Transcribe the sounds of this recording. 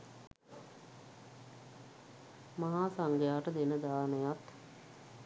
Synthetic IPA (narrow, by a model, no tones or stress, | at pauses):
maɦaːsaŋɡəjaːʈəd̪enəd̪aːnəjat̪